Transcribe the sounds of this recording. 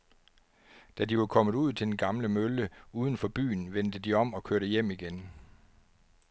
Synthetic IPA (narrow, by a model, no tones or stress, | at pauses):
d̥æd̥iʋɑkʰɒ̽mð̩ˠuð̞̰ˠt͡sʰe̝d̥enɡ̥ɑ̈mləmøləuːð̞ˠən̩fɒ̽b̥y̰ːnʋen̰d̥əd̥iɒ̽m̰ɒ̽kʰøɐɾ̥əjem̰iɡ̥en